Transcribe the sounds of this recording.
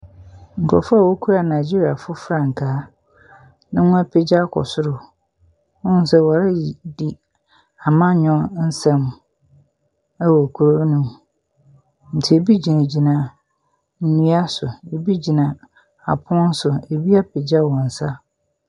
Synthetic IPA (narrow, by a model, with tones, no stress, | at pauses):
ŋ̩˨kʰɔ̰˨fa˦˨wo˦kʰu˦ɾa˨nã˨d͡ʑi˦ɾi˨a˨fʊ˦fɾã˨ŋ˨kʰaː˨˦ | nã˦ŋʊ̃˦pʰɪ˦d͡ʑa˦kʰɔ̰˨sʊ˦ɾʊ˨ | ʊ̃˦n̩˦sɛ˦wɔ˨ɾɪ˦di˨ | a˨mã˦ɲɔ̃˦n̩˦sɛ̃˦m | æ˦wɔ˨kʰu˨ɾo˦nũ˦m | n̩˨tʰɪ˨e˨bi˦d͡ʑi˨nã˨d͡ʑi˨nã˨ | n̩˦nũ˦a˦sʊ˨e˨bi˦d͡ʑi˨nã˨ | a̰˨pʰʊ̃˦n̩˦sʊ˨e˨bi˦a˦pʰɪ˨d͡ʑa˦wɔ̃˨n̩˨sa˦